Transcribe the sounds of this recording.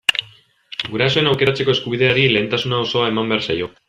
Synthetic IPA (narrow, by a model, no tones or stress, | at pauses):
ɡuɾaso̞e̞nawke̞ɾat͡se̞ko̞e̞skuβ̞iðeaɾile̞ːnt̪asunao̞so̞ae̞mambe̞aɾrsajo̞